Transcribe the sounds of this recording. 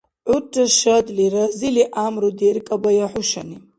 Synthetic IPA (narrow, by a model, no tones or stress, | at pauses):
ʕʷʊʈ͡ʂʰʼːaʃadliraziliʔamrudejrkʼabajaħʷʊʃani